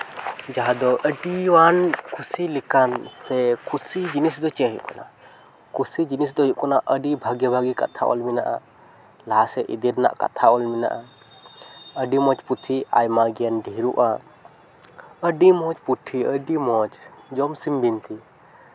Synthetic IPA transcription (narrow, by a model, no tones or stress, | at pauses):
d͡ʒaɦad̪ɔʔəɖiwankʰusilikansɛkʰusid͡ʒinis̬d̪ɔt͡ʃɛɦiʔkɔna̰ | kusid͡ʒinisd̪ɔɦiʔkɔnaʔʔəɖibʱaɡɛbʱaɡika̰t̪ʰaʔɔ̰lminaʔa̰ | laɦasɛʔḭd̪iɾna̰ʔka̰t̪ʰaɔlmina̰ʔa | əɖimɔt͡ʃput̪ʰia̰jmaɡijanɖʱiɾuʔa | əɖimɔt͡ʃpuʈ̪ʰiəɖimɔt͡ʃ | d͡ʒɔmsimbint̪i